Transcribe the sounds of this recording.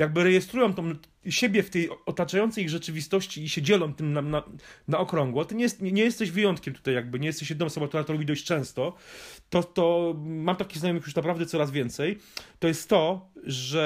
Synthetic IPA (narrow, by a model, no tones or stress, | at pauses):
jaɡ̚bɘɾɛjɛst̪ɾujɔmt̪ɔ̃w̃ | ɕebʲjɛft̪ɛjɔt̪at͡ʂajɔnt̪sɛjiɣʐɛt͡ʂɘvʲist̪ɔɕt͡ɕiːɕɛd͡ʑɛlɔmt̪ɘmnananaɔkɾɔŋɡwɔt̪ɔɲɛjɛst̪ɲɛɲɛjɛst̪ɛɕvɘjɔnt̪kʲɛmt̪ut̪ajaɡ̚bɘɲɛjɛst̪ɛɕ̬jɛd̪ɘnɔ̃ɔsɔbɔ̃k̚t̪uɾat̪ɔɾɔbʲid̪ɔɕt͡ɕt͡ʂɛ̃w̃st̪ɔt̪ɔt̪ɔmamt̪akʲizajɔmixjuʂnapɾavd̪ɛt̪sɔɾazvʲjɛnt̪sɛjt̪ɔjɛst̪ːɔʐɛ